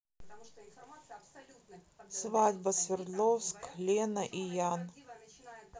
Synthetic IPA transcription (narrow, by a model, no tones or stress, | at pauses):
svadʲbɐsvʲɪrd̪lˠofsklʲenɐʔijan